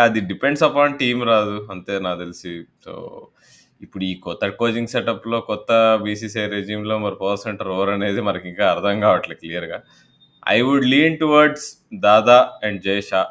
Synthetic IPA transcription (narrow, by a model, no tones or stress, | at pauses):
ɐd̪iɖipeɳɖsɐpaːnʈiːmɾaːd̪uɐnt̪e̞ːnaːt̪elisiso̰ː | ipːuɽuiːkɔt̪ːɐkoːd͡ʒiŋɡseʈɐpːlo̞ːkɔt̪ːɐbiːsiːs̬ejɾed͡ʒiːmlo̞ːmɐɾupɐːseɳʈɐɾɔːɐɾɐne̞ːd̪imɐnɐkiŋkaːɐɾd̪ʰʱɐŋɡaːʋɐʈlɐklijɐɾɡaː | ɐ̰jʋuɖliːɳʈuʋɐɾɖs | d̪aːd̪aːɛɳɖ̚d͡ʒejʃaː